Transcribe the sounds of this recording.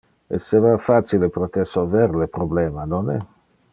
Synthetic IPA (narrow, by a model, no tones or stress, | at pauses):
ḛsevafat͡ʃilepɾot̪ersolvɛɾlepɾoblɛːmanonɛ